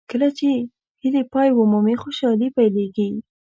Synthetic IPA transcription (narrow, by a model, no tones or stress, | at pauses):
kəlat͡ʃe | hilepɑjwʊmumixoʃɑlipajleɡi